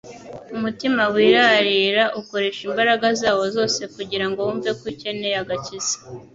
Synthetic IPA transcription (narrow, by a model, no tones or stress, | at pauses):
umutimawiːɾaɾiːɾaʔuko̞ɾe̞ʃimbaɾaɡazaːwo̞zo̞ːse̞kuɟiɾaŋɡouːmve̞kwice̞ne̞jaɡaciz̥e̥